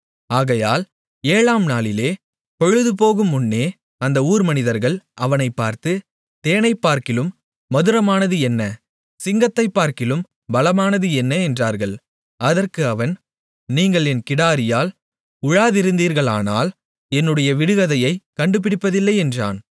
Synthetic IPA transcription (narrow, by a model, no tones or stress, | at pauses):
aːɣɐjaːl | eːɭaːmnaːlɪleː | pɔɻɯðɯp̬oːɣɯmːʊnːeː | ɐnd̪ɐuːɾmɐnɪðɐɾɣɐɭɐʋɐnɐɪpːaːɾt̪ɯ | t̪eːnɐɪpːaːɾkɪlɯmː | ɐðɯɾɐmaːnɐðɯɛnːɐ | sɪŋɡɐt̪ːɐɪpːaːɾkɪlɯm | bɐlɐmaːnɐðɯɛnːɐɛndraːɾɣɐɭ | ɐðɐrkɯɐʋɐn | niːŋɡɐɭɛnkɪɽaːɾɪjaːl | ʊɻaːðɪɾɯnd̪iːɾɣɐɭaːna̰ːl | ɛnːɯɽɐjɐʋɪɽɯɣɐðɐjɐɪkɐɳɖɯp̬ɪɽɪpːɐðɪlːɐɪɛndra̰ːn